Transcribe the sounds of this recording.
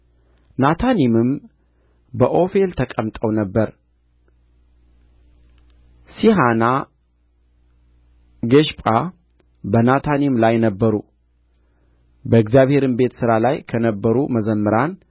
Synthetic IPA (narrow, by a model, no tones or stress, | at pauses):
nat̪ʰanimɨm | bəʔo̞fe̞lt̪ʰəkʼəmt̪ʼəwnəbːəɾ | siɦana | ɡəʃpʼa | bənat̪ʰanimlajnəbːəɾu | bəɨɡzjaβhe̞ɾɨmbe̞t̪sɨɾalajkʰənəbːəɾuməzəmːɨɾan